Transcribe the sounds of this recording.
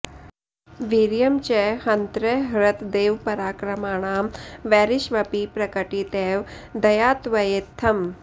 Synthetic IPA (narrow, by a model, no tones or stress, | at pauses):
ʋiɾjɐmt͡ʃɛhɐnt̪ɾɐɦɾɐt̪d̪eːʋpɐɾaːkɾɐmaːɳ̃aːmʋɛːɾiʃʋɐpipɾɐkɐʈit̪eːʋd̪ɐjaːt̪ʋɐjet̪ʰːɐm